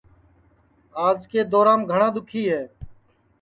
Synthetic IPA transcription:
aːzkeːd̪oːɾãːmɡʱəɳãːd̪ʊkʰiːɦɛː

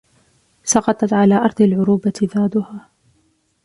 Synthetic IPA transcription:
sɑqɑt̪ˤɑt̪ʕalaːʔɑɾˤd̪ˤalʕʊɾuːbat̪ɪðaːd̪ʊhaː

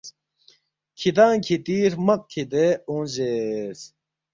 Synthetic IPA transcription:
kʰid̪ãːkʰit̪iːɾmɐk̚kʰid̪eũʑeːs

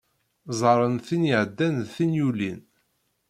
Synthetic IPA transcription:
zˤɑɾˤənθiniʕəd̪ːænðθinjulḭn

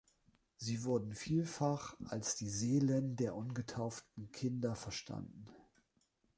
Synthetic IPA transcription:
ziːvʊɐdn̩fiːlfaχʔalsd̥iːzeːləndeːɐʔʊnɡətʰaʊftn̩kʰɪndɐfɛɐʃtʰa̰ndn̩

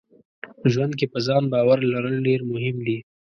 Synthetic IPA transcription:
ʒwand̪̚kepəzɑnbɑwaɾlaɾəlɖeɾmʊɦɪmd̪i

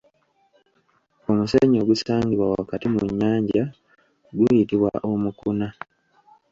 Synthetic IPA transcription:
o̞museːɲo̞ɡusaːŋɡiβwawakatimuɲːaːɲɟa | ɡujitiβwa̰ʔomukuna

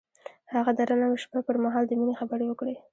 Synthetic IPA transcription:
haɣad̪aɾanameʃbapəɾmaɦɑld̪əminexabəɾewəkɽe

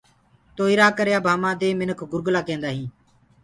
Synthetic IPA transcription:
t̪oːiːɾaːkəɾjaːbʱaːmãːd̪eːmɪnəkʰɡʊɾɡlaːkẽːnd̪aːɦĩː

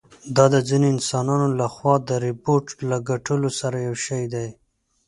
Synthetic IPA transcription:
d̪ɑd̪əzineɪnsɑnɑnolaxwɑd̪əɾɪpoɾʈlaɡaʈəlosaɾajawʃajd̪aj

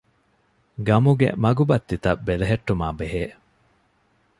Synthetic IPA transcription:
ɡɐmuɡḛmɐɡubɐt̪ːit̪ɐbeleɦeʈːumaːbeɦeː

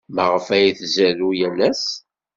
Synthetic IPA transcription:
məʁəfæjiθzælujælæs

